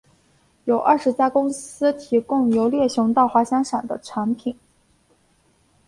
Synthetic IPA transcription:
jo˨˩ʊʔɐ˥˩ʂɻ̩˧˥t͡ɕja˥kʊ˥ŋsɹ̩˥t̪ʰi˧˥kʊ˥˩˧ŋjo˧˥ʊljɛ˥˩ɕjʊ˧˥ŋt̪ɑ˥˧ʊxwa˧˥ɕjɑ˥ŋʂa˨˩nd̪ə̰˦ʈ͡ʂʰwa˧˥npʰi˨˩˦n

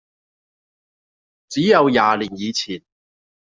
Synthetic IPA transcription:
t͡siː˨˥jɐ˨˧wjaː˨li˨˩njiː˨˧t͡sʰiː˨˩n

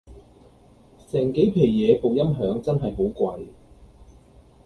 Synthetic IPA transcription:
sɛː˨˩ŋke˨˥jpʰe˨˩jːɛː˨˧po˨˩wjɐ˥mɦœː˨˥ŋt͡sɐ˥nɦɐ˨jɦo˨˥wkʷwɐ˧j

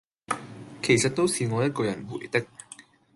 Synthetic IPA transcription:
kʰe˨˩jsɐ˨t̚t̪o˥wsiː˨˧ŋɔː˨˧jɐ˥t̚kɔː˧jɐ˨˩nwṵ˨˩jt̪ɪ˥k̚

